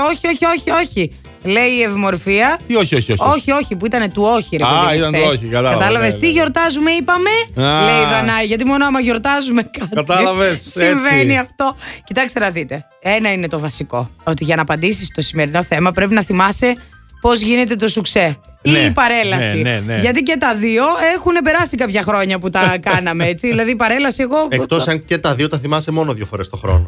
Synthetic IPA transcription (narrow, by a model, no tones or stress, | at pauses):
o̞çio̞çio̞çio̞çi | le̞iːe̞vimo̞ɾfiɐt̪ioçioçoo̞çio̞çipuit̪ɐne̞t̪uo̞çiɾeeðiit̪ɐnoikɐɐɐt̪ɐlɐvest̪iʝo̞ɾt̪ɐzume̞ipɐmeleiðɐnɐjʝɐt̪̬imo̞noɐmɐʝo̞ɾt̪ɐzume̞kɐtɐt̪ɐlilɐvessiɱveniɐft̪o̞cit̪ɐkst̪enɐðit̪e̞ | e̞nɐine̞t̪o̞vɐsiko̞ot̪iʝɐnɐːpɐnd̪isist̪o̞sime̞ɾino̞θe̞mɐpɾe̞pinɐθimɐse | po̞zʝinet̪e̞t̪o̞sukse | ipɐɾe̞lɐsienʝɐt̪̬icet̪ɐðio̞e̞xune̞p̬e̞ɾɐsikɐpçɐxɾo̞ɲɐput̪ɐkɐnɐmeet͡siðilɐðiːpɐɾe̞lɐsie̞ɣoekt̪osɐncet̪ɐðio̞t̪ɐθimɐsemo̞noðʝofoɾest̪o̞xɾo̰no